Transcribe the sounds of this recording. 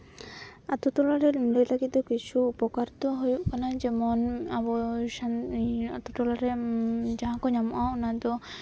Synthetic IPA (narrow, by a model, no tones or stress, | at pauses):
at̪ut̪ɔlaɾeɾmlelakit̪okit͡ʃʰuupɔkaɾt̪ɔɦojuʔkanad͡ʒemɔnabɔʃaat̪ut̪ɔlaɾed͡ʒaɦãkɔɲamɔʔawnat̪ɔ